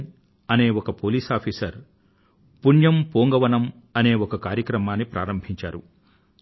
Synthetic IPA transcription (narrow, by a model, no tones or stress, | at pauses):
ɐne̞ːwɔkɐpoːliːsaːpʰiːsɐɾ | puɳjɐmpoːŋɡɐʋɐnɐm | ɐne̞ːɔkɐkaːɾjɐkɾɐmaːnːipɾʔa̰ːɾɐmbʱiɲt͡ʃa̰ːɾṵ